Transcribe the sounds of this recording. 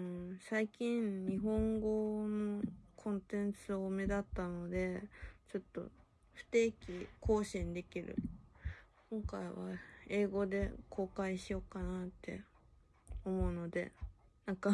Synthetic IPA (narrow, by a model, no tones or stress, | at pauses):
ɯsaikʲĩnɲ̟iɦõ̞ŋɡo̞no̞kʰõ̞nt̪ẽ̞nt͡sɨome̞d̪at̪ːano̞d̪e̞t͡ɕo̞t̪ːo̞̰ | ɸɯ̟̥t̪e̞ːkʲiko̞ːɕĩnd̪e̞kʲiɾɯ̟̰ | kʰõ̞ŋkaiβa̰e̞ːɡo̞d̪e̞̰kʰo̞ːkaiɕijo̞kːanat̪ʰːe̞̰ | omo̞ɯ̟no̞d̪e̞̰nãŋka